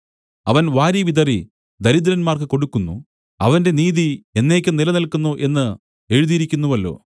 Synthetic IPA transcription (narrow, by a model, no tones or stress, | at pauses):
ɐʋɐnʋaːɾiʋid̪ɐri | d̪ɐɾid̪ɐɾɐnmaːrkɨko̞ɽukːunːṵ | ɐ̰ʋɐnde̞niːðie̞nːe̞ːkʲːɨnilɐnɐlkunːuʔe̞nːɨ | e̞ɻuðijiɾikʲːunːuʋɐlːo̞̰ː